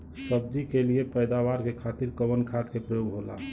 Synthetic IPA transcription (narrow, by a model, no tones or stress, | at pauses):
səb̚d͡ʒikeliepəjd̪awaɾkekʰat̪iɾkəbənkʰat̪kepɾəjoɡɦola̰